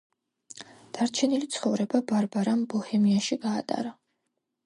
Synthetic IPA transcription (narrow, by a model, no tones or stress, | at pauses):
d̪̥aɾt͡ʃʰɛnilit̪sʰχɔvɾɛbabaɾbaɾambɔhɛmiaʃiɡa̰ːt̪ʼa̰ɾa